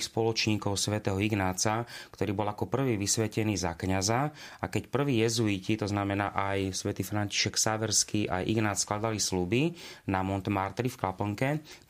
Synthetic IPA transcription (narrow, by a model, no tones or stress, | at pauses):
spɔlɔt͡ʃɲiːkɔʊsʋɛt̪ɛːɦɔiɡnaːt͡sakt̪ɔɾiːbɔlakɔpr̩ʋiːʋisʋɛcɛniːza̰kɲaza | akɛcpr̩ʋiːjɛzuicit̪ɔznamɛnaːʔajsʋɛt̪iːfɾanci̥ʃɛksaʋɛɾskiʔa̰jʔḭɡnaːt͡ssklad̪alislubinamɔnt̪ɛmaɾt̪ɾifklapɔŋkɛ